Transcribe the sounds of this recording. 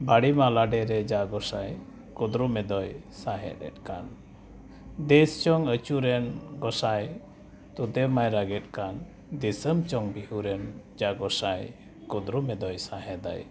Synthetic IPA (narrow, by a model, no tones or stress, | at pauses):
baɽimalaɖɛɾɛd͡ʒaɡɔsaj | kud̪ɾumɛd̪ɔj | saɦɛ̰t̪ɛ̰t̪̚ˀkan | d̪ɛst͡ʃɔŋət͡ʃuɾɛnɡɔsaj | t̪ud̪ɛmajɾaɡɛt̪̚ˀkan | d̪isəmt͡ʃɔŋbihuɾɛnd͡ʒaʔɡɔsaj | kud̪ɾumɛd̪ɔjsaɦɛd̪a̰j